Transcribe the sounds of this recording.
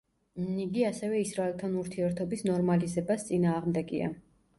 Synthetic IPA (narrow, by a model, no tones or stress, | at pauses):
niɡiasɛvɛisɾaɛlˠt̪ʰanuɾt̪ʰiɛɾt̪ʰɔbisnɔɾmalizɛbast̪sʼinaːʁmd̪ɛɡḭa̰